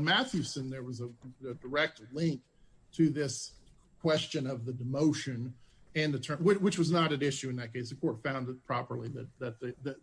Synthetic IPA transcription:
nmæθjʉsɨ̃nðə˞wʌzəɨdə˞ɛk̚tlɪ̃ŋk̚ | tʰɨðɪs | kʰw̥ɛst͡ʃɨ̃nʌvðɨdɨmoʊʃɨ̃nɨ̃nðɨtʰɜ̃˞wɪt͡ʃwɨt͡ʃwʌznəɾɨ̃nɪʃʉɨ̃nðɨt̚kʰeɪsɨ̥kʰɔɹtfãʊ̃nð̚pʰɹ̥ɑpə˞lˠiðɨt̪̚ðɨt̪̚ðɨðɨ

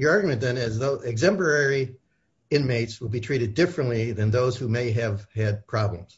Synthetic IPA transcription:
jə˞ɑɹɡjmɨ̃nðɨ̃nɨzðoʊʔɪɡzɛ̃mpə˞ɛɹi | ɪ̃nmeɪtswəlˠbitʰɹ̥iɾɨdɪfɹɨ̃nʔliðɨ̃nðoʊz̥humeɪɨv̥ɨd̚pʰɹ̥ɑblə̰̃mz̥

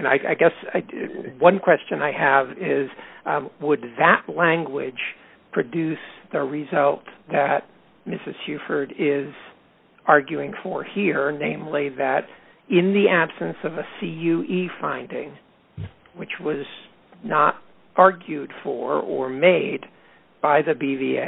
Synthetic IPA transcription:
ɨ̃na̰ɪʔa̰ɪɡɛsɪwʌ̃nkʰw̥ɛst͡ʃɨ̃naɪɨvɪzwəd̪̚ðɨʔlæ̃ŋɡwɪ̥ʒ̥ | pʰɹ̥ɨdʉsðɨɹɪzʌlˠt̪̚ðɨt̚ | mɪsɨz̥sjʉfə˞ɾɪz̥ | ɑɹɡjʉɪ̃ŋfə˞hiɹnẽɪ̃mliðɨɾ | ɪ̃nðiʔæb̥sɨ̃nsʌvɨsijʉʔifãɪ̃ndɪ̰̃ŋ | wɨt͡ʃwʌz | nəɾ | ʔɑɹɡjʉd̥fə̰˞ə̰˞meɪd | b̥aɪðɨbiviḛ

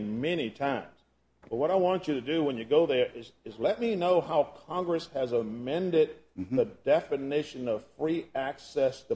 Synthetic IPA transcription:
mɛnitʰãɪ̃mz̥ | b̥ʌt̚wʌɾaɪwɑ̃nt͡ʃɨɾɨdɨwə̃njɨɡoʊðə˞ʔɪzɨzlɛt̚minoʊɦaʊkʰɑ̃ŋɡɹɨshɨzəmmɛ̃ndɪd̪̚ | ðɨdɛfɨnɪʃɨ̃nʌv̥fɹiæksɛstʰɨ

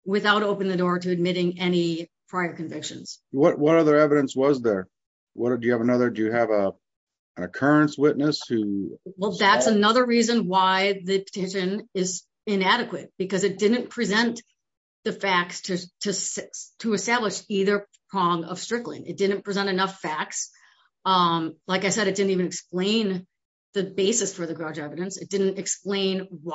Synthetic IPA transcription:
wɨθaʊɾoʊpɨ̃ñŋðɨdɔɹɾɨɨd̚mɪɾɪ̃ŋɛnipʰɹ̥aɪə˞kɨ̃ɱvɪkʃɨ̰̃nz̥wʌʔ̚wʌɾʌðə˞ɛvɨɾɨ̃nswʌzðə˞ | wʌɾdɨjɨːvənʌðə˞dɨjɨɨv | ɨ̃nɨkʰɜ˞ɨ̃nswɪʔⁿnɨshʉwɛlˠðætsənʌðə˞ɹizɨ̃nwaɪðɨpʰə̥tʰɪʃɨ̃nɪz | ɪ̃næɾɨkwɨt̚b̥ɨkʌzɨt̚d̥ɪdⁿn̩pʰɹ̥izɛ̃nt̪ | ðɨfæk̚stʰɨtʰɨstʰɨɨstæbləʃiðə˞pʰɹ̥ɔ̃ŋʌ̰v̥stɹ̥ɪɡlˠɪ̰̃ŋɨ̰t̚d̥ɪdⁿn̩pʰɹ̥izɛ̃ɾ̃ɨnʌfæk̚ts | laɪkaɪsɛɾɨt̚d̥ɪdⁿn̩tivɨnɨksplẽɪ̃n | ðɨbeɪsɨsfə˞ðɨɡɹɑd͡ʒɛvɨɾɨ̃nsɨt̚d̥ɪdⁿn̩tɨksplẽɪ̃nw

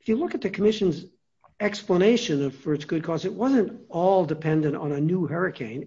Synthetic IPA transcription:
ɪfjɨlʊkɨt̪̚ðɨkʰəmɪʃɨ̃nz | ɛkspləneɪʃɨ̃nʌv̥fə˞ɨtsɡ̥ʊd̚kʰɔzɨt̚wʌzɨ̃ntɔlˠdɨpʰɛ̃ndɨ̃ñtn̩ɨnuhɛɹɨkʰẽɪ̃n

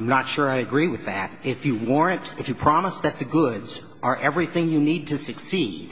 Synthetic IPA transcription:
ɪ̃mnətʃʊɹaɪɨɡɹiwɨðæɾɪfjɨwɔɹɨ̃ntɨfjɨpʰɹ̥ɑməsðɨt̪̚ðɨɡʊdz | ə˞ʔɛvɹiθɪ̃ŋjɨnid̚tʰɨsɨksid̥

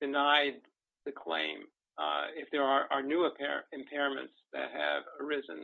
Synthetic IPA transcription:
d̥ɨnaɪd̪̚ | ðɨkʰl̥ḛ̃ɪ̃m | ɪfðə˞ə˞ʔə˞nuəpʰɛɹɨ̃mpʰɛɹɨ̃mɨ̰̃ntsðɨ̰t̚hɨ̰və˞ɪzɨ̰̃n

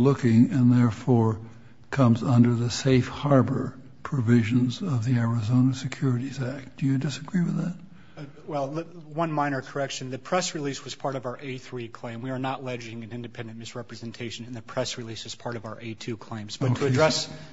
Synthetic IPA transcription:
lʊkɪ̃ŋɨ̃nðɛɹfɔɹ | kʰʌ̃mzʌ̃ndə˞ðɨseɪfhɑɹbə˞ | pʰɹ̥ɨvɪʒɨ̃nzʌvðiɛɹɨzõʊ̃nɨsɨkʰj̥ʊɹɨɾizæk̚d̥ɨjɨdɨsɨɡɹiwɨðæt̚ | wɛlˠwʌ̃nmãɪñə˞kʰə˞ɛkʃɨ̃nðɨpʰɹ̥ɛsɹiliswʌz̥pʰɑɹɾʌvaə˞ʔeɪθɹikʰl̥ẽɪ̃mwiə˞nəʔˡlɛd͡ʒɪ̃ŋɨ̃nɪ̃ndɨpʰɛ̃ndɨ̃nmɨsɹɛpɹɨzɛ̃ntʰeɪʃɨ̃ñn̩ðɨpʰɹ̥ɛsɹilisɨz̥pʰɑɹɾʌvaʊə˞ʔeɪtʰʉkʰl̥ẽɪ̃mzbʌotkʰɨdɹɛs

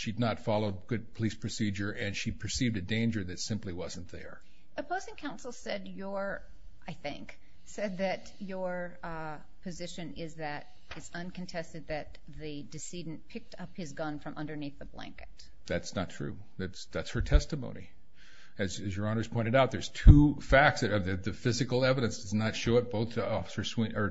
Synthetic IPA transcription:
ʃidⁿnətfɑlˠoʊd̚ɡʊd̚pʰəlispʰɹ̥ɨsid͡ʒə˞ʔɨ̃nʃipʰə˞sivdɨdẽɪ̃nd͡ʒə˞ðɨtsɪ̃mpliwʌz̃n̩ðə̰˞ | ɨpʰoʊzɪ̃ŋkʰãʊ̃nsl̩ˠsɛdjə˞ | ʔaɪθɪ̰̃ŋk | sɛd̪̚ðɨt͡ʃ | ə˞ | pʰɨzɪʃɨ̃nɪzðɨɾ | ɨtsʌ̃nkʰɨ̃n̩tʰɛstɨd̪̚ðɨt̪̚ | ðɨdɨsidⁿn̩pʰɪk̚tʰʌphɨzɡʌ̃nfɹʌ̃mʔʌ̃ndə˞niθðəblæ̰̃ŋkɨt̚ | ðætsnətʰɹ̥ʉ̰ | ðætsðætshə˞tʰɛstɨmõʊ̃nḭ | ɨzɨzjə˞ɑ̃nə˞z̥pʰɔ̃ɪ̃ɨɾaʊt̪̚ðə˞z̥tʰufæk̚tsvðɨt̪̚ðɨfɪzɨkl̩ˠɛvɨɾɨ̃nsd̥ʌznətʃoʊɨt̚b̥oʊθɔfsə˞swĩə˞

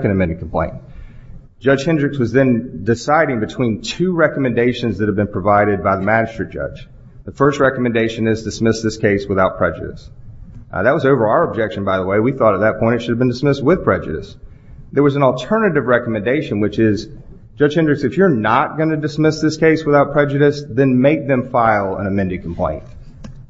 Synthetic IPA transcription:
kɨ̃ndɨmɛ̃ndɨ̃kʰm̩pʰl̥ḛ̃ɪ̃n | d̥ʒ̥ʌ̥ʒ̥hɪ̃ndɹɨkswʌzðɨ̃ndɨsaɪɾɪ̃ŋbɨtʰw̥ĩntʰʉɹɛkəmɨ̃ndeɪʃɨ̃nzðɨt̚hɨvbɨ̃npʰɹ̥ɨvaɪɾɨd̚baɪðəmæd͡ʒɨstɹ̥ɨ̥d͡ʒ̥ʌ̰̥d͡ʒ | ðəfɜ˞st̚ɹɛkəmɨ̃ndeɪʃɨ̃nɪzdɨsmɪsðɪskʰeɪswəθaʊt̚pʰɹ̥ɛd͡ʒɨ̰ɾɨ̰s | ðət̚wʌzoʊvə˞aʊə˞əb̚d͡ʒɛkʃɨ̃n̩baɪðəweɪwiθɔɾət̪̚ðɨt̚pʰɔ̃ɪ̃ntɨtʃʊɾɨvbɨ̃ndɨsmɪst̚wɪð̥pʰɹ̥ɛd͡ʒɨ̰ɾɨ̰s | ðə˞wʌzn̩l̩ˠtʰɜ˞nɨɾɨvɹɛkəmɨ̃ndeɪʃɨ̃nwɨt͡ʃɪz̥ | d͡ʒ̥ʌ̥ʒ̥hɛ̃ndɹɨksɨfjə˞nət̚ɡ̥ʌ̃nɨdɨsmɪsðɪskʰeɪswəθaʊt̚pʰɹ̥ɛd͡ʒɨɾɨsðɨ̃nmeɪk̚ðɨ̃ɱfaɪlˠə̰̃nɨmɛ̃ndɨd̚kʰm̩pʰl̥ḛ̃ɪ̃nt̚

